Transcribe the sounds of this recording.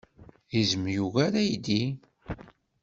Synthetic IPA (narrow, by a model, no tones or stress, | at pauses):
izəmjuɣaɾæjd̪i